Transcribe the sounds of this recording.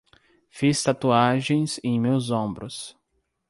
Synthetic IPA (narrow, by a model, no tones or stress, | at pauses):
fist̪at̪uaʒẽj̃zẽj̃mewzõbɾʊs